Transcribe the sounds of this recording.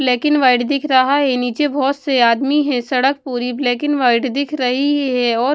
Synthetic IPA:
blɛːkɪnʋaːɪɖd̪ɪkʰɾɐɦaɦɛniːt͡ʃebʱɔːt̪seaːd̪miɦɛ̃sɐɽək̚puːɾiblɛːkɪnʋaːɪɖd̪ɪkʰɾɐɦiɦɛɔːɾ

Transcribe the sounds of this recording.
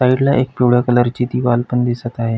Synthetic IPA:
saiɽlaʔek̚piɽɭəkələɾt͡ɕiːt̪iːʋalpənd̪isət̪aɦe

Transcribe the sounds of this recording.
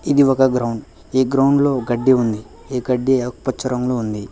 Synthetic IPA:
id̪iɔkɐɡɾɐwɳɖ | iːɡɾɐwɳɖlo̞ːɡɐɖːeund̪i | eːɡɐɖːikpɐt͡ʃːɐɾɐmloːund̪i

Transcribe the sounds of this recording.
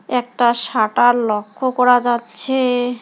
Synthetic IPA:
ɛk̚ʈaʃaʈaɾlɔkʰːokɔɾad͡ʑatːɕʰe

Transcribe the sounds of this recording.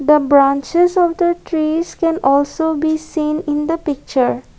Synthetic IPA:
d̪əbɾãːnt͡ʃezɔʋd̪əʈɾiːzkɛ̃nɔːlsoːbiːsĩːnɪ̃nd̪əpɪk̚t͡ʃəɾ

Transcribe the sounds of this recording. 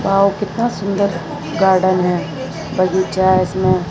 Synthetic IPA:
baːwkɪt̪nasʊ̃nd̪əɾ | ɡaːɾɖənɦɛ | bɐd͡ʒit͡ʃaɪsmẽ

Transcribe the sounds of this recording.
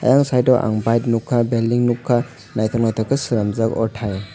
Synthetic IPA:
ɐ̰jaŋsajdɔwʔa̰ŋbajt̚nukʰːabelːiŋnukʰːa | najtʰɔnŋajtʰɔkʰɯsiɾamzakɔ̰tʰaj

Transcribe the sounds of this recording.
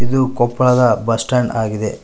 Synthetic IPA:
id̪ukɔpːlaːd̪ɐbɐsʈaːnɖaːɡid̪e

